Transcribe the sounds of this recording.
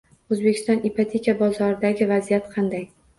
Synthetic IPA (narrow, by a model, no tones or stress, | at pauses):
ɵzbe̞kʲɪ̥st̪ɒ̃nipʰat̪ʲʰekʲʰabɒzɒɾɪd̪aɡʲɪvazijat̪qʰɑnd̪aj